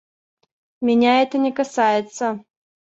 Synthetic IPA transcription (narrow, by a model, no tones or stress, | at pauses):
mʲɪnʲaɛt̪ənʲɛkɐsajɪt̪sːə